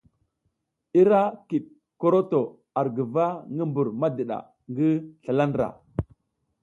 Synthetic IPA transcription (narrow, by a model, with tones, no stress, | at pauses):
i˦ɾa˦ki˨ɗ̚ | ko˦ɾo˦to˨ | a˨ɾɡə˨va˦ŋɡə˦mbu˨ɾma˦də˨ɗa̰˨ | ŋɡə˦ɬa˨la˦n˨ɾa̰˨